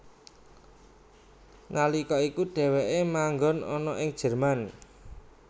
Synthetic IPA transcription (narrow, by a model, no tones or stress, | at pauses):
nalikɔikuɖ̥ɛ̤weʔemaŋɡɔnɔ̰nɔʔɪŋd̥ʒ̥ə̤rman